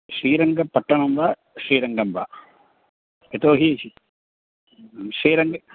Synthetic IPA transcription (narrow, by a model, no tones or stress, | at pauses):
ʂiːɾɐŋɡɐpːɐʈːɐɳɐmʋaː | ʂɾiːɾɐŋɡɐmʋa̰ː | et̪oːɦii | ʂiːɾɐŋɡɐ